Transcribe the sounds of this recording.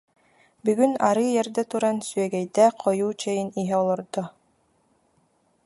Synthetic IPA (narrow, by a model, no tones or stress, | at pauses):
byɡyna̰ɾɯjɛɾd̪ɛt̪uɾansyɛɡɛjd̪ɛqʰɔjuːt͡ɕɛjiniɦɛɔlˠɔɾd̪ɔ